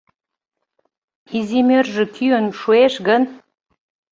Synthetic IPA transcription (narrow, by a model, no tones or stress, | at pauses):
izimʲørʒə̆kʰyənʃueʃɡən